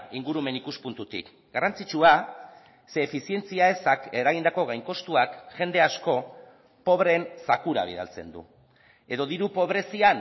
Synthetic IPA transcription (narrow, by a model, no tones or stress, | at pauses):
iŋɡuɾume̞nikuspunt̪ut̪ḭk | ɡarant͡sit͡ʃua | se̞ːfisie̞nt͡siae̞sake̞ɾaɣind̪ako̞ɣ̞ajŋko̞st̪uakʝe̞nd̪e̞asko̞ | po̞βɾe̞nsakuɾa̰β̞ḭð̞a̰lt͡se̞̰nd̪ṵ | e̞ðo̞ðiɾupo̞β̞ɾe̞sia